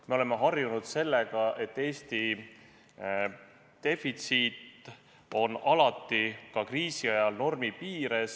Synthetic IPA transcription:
me̞o̞le̞mːe̞ɦɑrjunud̪̥se̞lːeɡ̥ɑʔe̞t̪ːe̞ːst̪i | d̪̥e̞fit̪siːt̪ˑ | o̞nɑlɑt̪ːˑikɑkriːsiɑjɑlno̞rmipiːɾe̞s

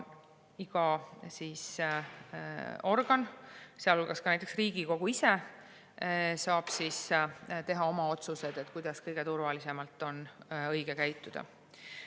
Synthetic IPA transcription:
iɡ̥ɑsiːs | o̞rɡ̥ɑnseɑlolɡ̥ɑskɑnæjt̪ːˑeksriːɡ̥iko̞ɡ̥uise | sɑːb̥sist̪e̞ɦɑo̞mɑo̞t̪suse̞d̪̥et̪kujd̪̥ɑskɤjɡ̥e̞t̪urvɑlise̞mɑlt̪ːˑo̞nɤjɡ̥ekæjt̪ːˑud̪̥ɑ̰

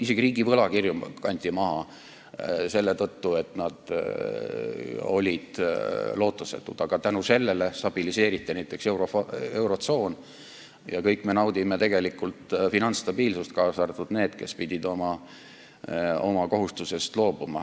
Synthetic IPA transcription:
ise̞ɡ̥iriːɡivɤlɑkirjumkɑnʲt̪ʲˑimɑɦɑ | se̞lːe̞t̪ɤt̪ːue̞t̪nɑd̪̥ | o̞̰lʲid̪̥lo̞ːt̪ːˑust̪et̪ːˑud̪̥ɑɡ̥ɑt̪ænuse̞lːele̞st̪ɑb̥ilise̞ːɾit̪ːˑinæjt̪ːˑe̞kse̞wɾofe̞wɾo̞t̪so̞ːn | jɑkɤjkːˑmenɑwd̪ʲimet̪e̞ɡ̥e̞likːult̪finɑnt̪st̪ɑbiːlsust̪̚kɑːsɑrt̪ud̪neːd̪̥ke̞̰spid̪̥ʲid̪o̞mɑ | o̞mɑko̞ɦust̪use̞st̪lo̞ːb̥umɑ̰

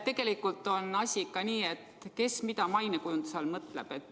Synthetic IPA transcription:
t̪e̞ɡ̥e̞likˑult̪ˑo̞nɑsʲikɑniːe̞t̪ke̞smid̪ɑmɑjnekujund̪̥uselmɤt̪ˑlḛb̥e̞t̪ː

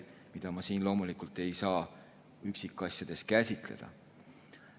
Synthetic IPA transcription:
mid̪̥ɑmɑsiːnlo̞ːmulikult̪ːˑe̞jsɑː | yksikːˑɑsʲjɑd̪̥e̞skæsʲit̪ˑle̞̰d̪̥ɑ̰

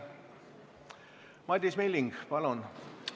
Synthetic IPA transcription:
mɑd̪ʲismelːiŋɡ̥pɑlun

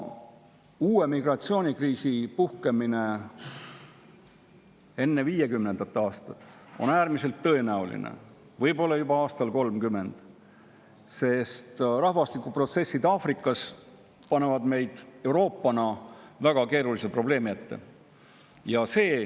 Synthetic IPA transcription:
uːe̞miɡrɑt̪sio̞ːnʲikriːsipuhke̞mine̞ | e̞nːe̞viːjekymne̞nd̪̥ɑt̪ːˑɑːst̪ɑt̪ːˑo̞̰næːɾmise̞lt̪ːɤ̞e̞næulḭnḛ | vɤjbo̞lːɑjubɑɑːst̪ɑlko̞lmkymːe̞nd̪̥ | se̞st̪rɑhvɑst̪ikːˑupro̞t̪se̞sːid̪ɑːfrikːˑɑs | pɑne̞vɑd̪me̞jd̪̥e̞uɾo̞ːpːˑɑnɑvæɡ̥ɑke̞ːɾulisepro̞b̥le̞ːmiet̪ːe̞̰ | jɑse̞ː

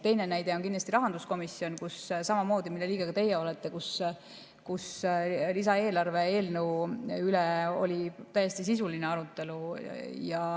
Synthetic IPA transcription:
t̪e̞jnenæjd̪̥e̞o̞nkinlɑst̪iɾɑɦɑnd̪usko̞misːio̞nkussɑmɑmo̞ːd̪imilːeliːɡ̥eɡ̥ɑt̪e̞jeo̞let̪ːˑe̞kus | kuslisɑe̞ːlɑrve̞e̞ːlnəwyleo̞̰lʲit̪æjːe̞st̪isisulineɑɾut̪ːˑe̞lujɑ

